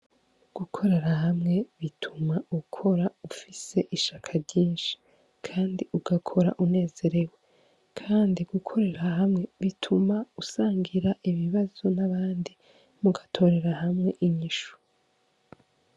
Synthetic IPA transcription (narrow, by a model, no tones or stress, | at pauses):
ɡ̥ukʰo̞ɾe̞ɾaɦamŋe̞βitʰumaukʰo̞ɾaufise̞ʔiʃakʰaɾɟiːnʃi̥ | kʰaːndiʔuɡ̥akʰo̞ɾa̰ʔune̞ːze̞ɾe̞we̞ | kʰaːndiɡ̥ukʰo̞ɾe̞ɾaɦamŋe̞βitʰumausaːŋɡiɾaʔiβiβazonaβaːndi | muɡatʰo̞ɾe̞ɾahamŋe̞ʔiɲiʃu̥